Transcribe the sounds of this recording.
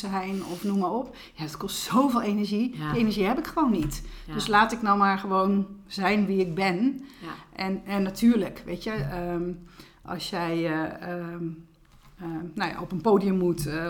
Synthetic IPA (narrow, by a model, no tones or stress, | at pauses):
əɦɛjnɔfnumarɔp | jadɔtkɔstsowveːlˠenərʒidienəɹʒihɛpɪkxəʋoːnːitd̥øslaːtɪknɔwmaɹxəʋoːnzɛjnʋiɪɡ̚bɪn | ʔɛnɛnːatʰyːərləkʋejtjəə | ʔɑ̰sjɛjəə | noja̰ɔpənpoːdijəmːut